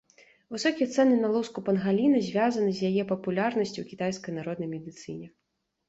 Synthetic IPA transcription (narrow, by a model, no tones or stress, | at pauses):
vɨsɔkʲijɐt̪sɛnɨnalˠuskupɐnɣalʲinɐzʲvʲazɐnɨzʲjajɛpɐpulʲarnɐsʲt͡sʲuwkʲit̪ajskɐjnaɾɔd̪nɐjmʲɛd̪ɨt̪sɨnʲɛ